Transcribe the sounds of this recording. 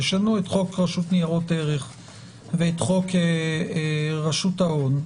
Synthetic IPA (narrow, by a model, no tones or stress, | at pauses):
jeʃanuetχo̞kʁaʃutnijaʁo̞teʁeχ | veetχo̞ke | ʁaʃutaon